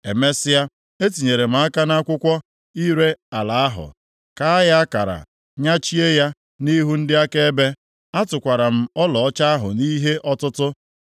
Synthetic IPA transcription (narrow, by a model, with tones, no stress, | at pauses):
e˨me˦sɪ˦a˦ | e˦t̬i˨ɲe˨ɾe˨m̩˦a˦ka˦na˦kʷʊ˦kʷɔ˦ | i˦ɾe˦a˨la˨a˦ɦʊ̰˨ | ka˦a˦ja˦a˦ka̰˨ɾa̰˨ | ɲa˦t͡ʃi˦e˦ja˦ | ni˦ɦu˦n̩˦dɪ˦a˦ke˦e˦be˦ | a˦tʊ˨kʷa˨ɾa˨m̩˨ɔ˦lɔ˨ɔ˦t͡ʃa˦a˦ɦʊ̰˨ni˦ɦe˦ʔɔ˦tʊ˦tʊ˦